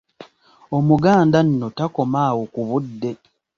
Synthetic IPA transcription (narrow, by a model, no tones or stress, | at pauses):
omuɡaːndan̩ːo̞tako̞maːwokuβudːe̞